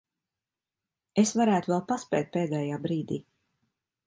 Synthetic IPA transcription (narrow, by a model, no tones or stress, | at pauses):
esvaɾæːt̪uvɛlˠpaspɛ̰ːt̪̚peːd̪ɛːjaːbɾiːd̪iː